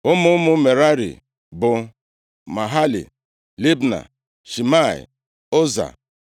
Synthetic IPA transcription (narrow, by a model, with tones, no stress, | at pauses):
ʊ˦mʊ˦mʊ˦me˨ɾa˦ɾḭ˨ | bʊ˨ | ma˨ɦa˦lḭ˨ | le˦bna̰˨ | ʃi˨ma˦˨ḭ˨ | o˦za̰˨